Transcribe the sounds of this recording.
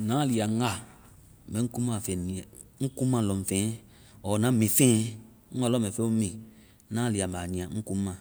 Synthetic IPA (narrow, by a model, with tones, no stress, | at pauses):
nãː˨˦li˨a˨˦a˦˨ | mɛ̃˨˦ku˦mã˦˨fɛ˨nĩ˨ɛ˨ | ŋ̩˦ku˦mã˦˨lɔ˨m̩˨fẽː˦ | ɔ˨nã˨˦mĩ˨fẽ˦ | a˦lɔ˦mɛ̃˨fɛ˦u˦mĩ˨˦ | nãː˨˦li˨a˨maː˨ɲĩ˨ã˨ŋ̩˦ku˦mã˨